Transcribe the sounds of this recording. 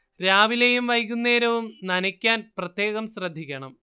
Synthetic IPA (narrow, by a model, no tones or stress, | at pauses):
ɾaːʋilejumʋɐjkːunːe̞ːɾɐʋumnɐnɐkʲːaːnprɐt̪je̞ːɣɐmɕrɐd̪ʱːikʲːɐɳɐm